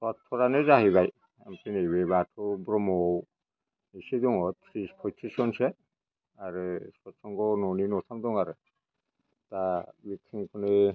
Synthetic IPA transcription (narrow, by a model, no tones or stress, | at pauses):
sɔtʰːɔɾanezaɦibaj | ampʰinejbebatʰɔbɾɔmɔw | isidɔŋɔt̪ʰɾispʰɔjt̪ʰisɔnsɛ | aɾɯsɔtsɔŋɡɔnɔninɔsʰamdɔŋaɾɯ | tabitʰiŋkʰɔnɯ